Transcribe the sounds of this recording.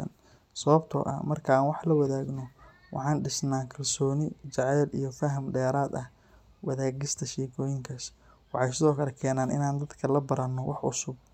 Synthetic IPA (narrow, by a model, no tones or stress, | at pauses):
ɐ̰n | sɐβɐbt̪ʰɔ̰ʔɐ̰mɐrkʰɐaːnwɑħlɐwɐðaːɡnɔ | wʔɑ̰ħɑːnɖɪsnaːkʰɐlsɔːnɪt͡ʃɑʕɛːlijɞfɐɦɐmɖɛːɾaːd̪ɐh | wɐðaːɡɪst̪ʰɐʃɛːkʰɔːjɪŋkʰɐs | wɑħɑjsɪðɔːkʰɐlɛkʰɛːnaːnɪ̰naːnd̪ɐd̪kʰɐlɐbɐɾɐnːɔwɑħʊ̰sʊb̚